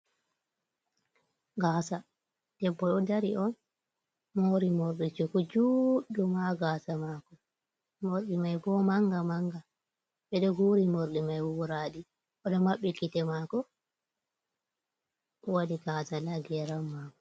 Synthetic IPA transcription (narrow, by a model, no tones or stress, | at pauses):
ɡaːsa | d̥ɛbːɔɗɔdaɾiʔɔn | moɾimoɾɗit͡ʃukɔd͡ʒuɗumaɡaːsamakɔ | moɾɗimajbɔmaŋɡamaŋɡa | ɓɛɗɔɡuɾimoɾɗimajwuɾaːɗi | ʔɔdɔmaɓːikitɛmakɔ | wadiɡaːsalaɡɛɾamːakɔ